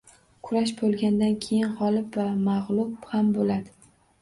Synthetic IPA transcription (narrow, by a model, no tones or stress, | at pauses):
kʰʊɾaʃ̬bolˠɡʲand̪ankʲʰe̞jɪnhɒlˠɪpvamaʁlˠʊbhambolad̪ɪ